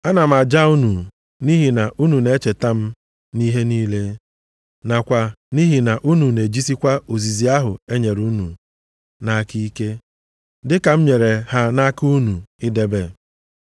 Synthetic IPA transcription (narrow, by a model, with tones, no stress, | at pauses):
a˦na˨m̩˨a˨d͡ʒa˦u˦nu˨ | ni˦ɦi˨na˨ʔu˦nu˨ne˦t͡ʃe˨ta˦m̩˦ | ni˦ɦe˦niː˦le˦ | na˨kʷa˨ni˦ɦi˨na˨ʔu˦nu˨ne˨d͡ʒi˦si˦kʷa˦o˨zi˨zi˨a˦ɦʊ˨e˦ɲe˨ɾu˦nṵ˨ | na˨˦ki˦i˦ke˦ | dɪ˦ka˨m̩˦ɲe˨ɾe˨ha˦na˦ku˦nu˨ɪ˦de˦be˦˨